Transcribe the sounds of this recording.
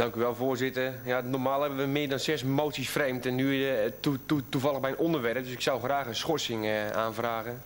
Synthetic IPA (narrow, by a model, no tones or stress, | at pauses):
d̥ɑŋkyʋɛlˠvʊːrzɪtərjanɔrmaːlˠɛbənʋəmɪːdɔnsɛsmoːtsisfrejmtɛnːyuutuvɑlˠəɣbɛjnʔɔndərʋɛrp̚døsɪksawxraːxənsxɔsɪŋa̰ːnvraːɣən